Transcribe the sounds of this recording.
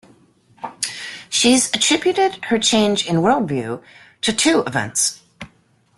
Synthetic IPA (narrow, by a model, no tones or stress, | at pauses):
ʃizɨtʰɹ̥ɪbjʉɾɪd̥̚ə˞t͡ʃʰẽɪ̃nd͡ʒɨ̃nwɜ˞lˠdvjʉ | ɾɨtʰʉɪvɛ̰̃nts